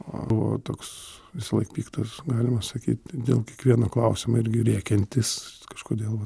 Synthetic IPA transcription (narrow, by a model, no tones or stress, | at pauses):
o̰ʊʋo̰ːt̪oːksʋʲɪsɐlˠɐɪkpʲiːkt̪ɐsɡɑːlʲɪmɐsɐkʲiːt̪ʲd̪ʲḛːlˠkʲiɛkʋʲiɛnoːklˠɐʊsʲɪmoːɪɾʲɡʲɪɾʲiɛkʲɛnʲt̪ʲɪskɐʃkoːd̪ʲeːlˠʋɐ